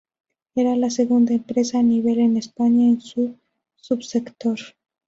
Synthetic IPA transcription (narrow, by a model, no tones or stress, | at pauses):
eɾalaseɣund̪aempɾesaːniβ̞elenespaɲaensu | supsekt̪oɾ